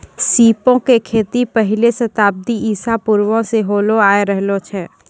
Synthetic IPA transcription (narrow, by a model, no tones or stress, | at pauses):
siːpõkekʰeːt̪ipɐɦɪlesɐt̪aːb̚d̪iiːsapʊɾwõseɦoːloaːeɾɛɦlot͡ʃʰɛː